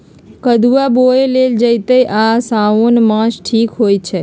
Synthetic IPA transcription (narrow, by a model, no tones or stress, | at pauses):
kəd̪uʋaboeleld͡ʒəjt̪əjʔasaonmãʃʈʰikɦojt͡ʃʰe